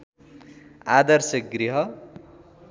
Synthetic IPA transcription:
ad̪ʌrsʌk̚ɡɾiɦʌ

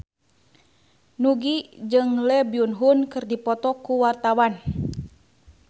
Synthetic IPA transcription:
nuɡid͡ʒɨŋlɛbiunɦunkɨrdipɔt̪ɔkuwart̪awan

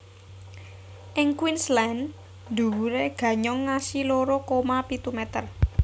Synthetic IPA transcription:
ʔɪŋkwinslɛn | d̪ṳwuɾeɡ̥ä̤ɲɔŋːasiloɾokomapit̪umɛt̪ər

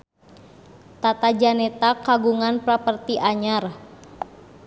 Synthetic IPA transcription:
t̪at̪ad͡ʒanɛt̪akaɡuŋanpɾapərt̪iʔaɲar

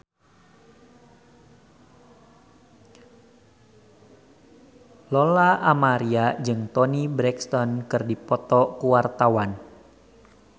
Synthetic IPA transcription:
lolaamaɾiad͡ʒɨŋt̪ɔnibɾɛkst̪ɔnkɨrdipɔt̪ɔkuwart̪awan

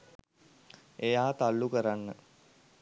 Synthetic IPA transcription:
ejaːt̪alːukəɾanːə

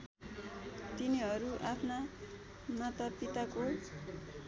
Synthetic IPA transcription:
t̪iniʌɾuʔapʰna | nʌt̪ʌpːit̪ako

